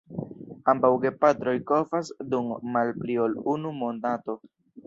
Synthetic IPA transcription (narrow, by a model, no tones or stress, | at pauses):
ambawɡe̞patɾo̞jko̞vasdumːalplio̞lunumondato̞